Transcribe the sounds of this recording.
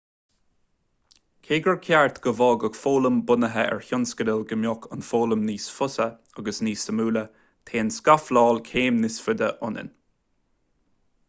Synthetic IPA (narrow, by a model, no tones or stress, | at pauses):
kʰeːɡəɹkʰaɹt̪ɡ̥əvɑːɡəɡfoːləmbʊnəɦəʔɛ̰ɹçʊnskəd̪əlɡəmjɔkʰənfoːləmniːsfʊsə | aɡəsniːsəmuːlə | t̪ʰeːnskaflɑːlkʰeːmnɪsfʊd̪əʔʊnə̰n